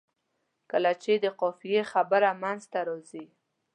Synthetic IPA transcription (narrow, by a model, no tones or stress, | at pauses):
kəlat͡ʃed̪əqɔfijexabəɾamanzt̪aɾozi